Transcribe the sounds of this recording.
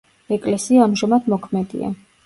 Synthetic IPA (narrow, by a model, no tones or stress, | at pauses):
ɛkʼlɛsiaːmʒamad̪mɔkʰmɛd̪ḭa̰